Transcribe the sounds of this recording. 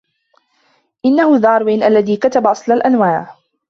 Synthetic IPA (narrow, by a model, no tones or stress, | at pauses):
ʔɪnːahʊðɑːɾˤwiːnʔalːaðiːkat̪abaʔɑsˤlalʔanwaːʕ